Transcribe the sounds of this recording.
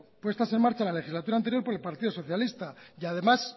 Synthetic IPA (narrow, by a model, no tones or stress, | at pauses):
pwe̞st̪ase̞nmaɾt͡ʃalale̞xizlat̪uɾaːnt̪e̞ɾjo̞ɾpoɾe̞lpaɾt̪iðoso̞θjalist̪ajað̞e̞mas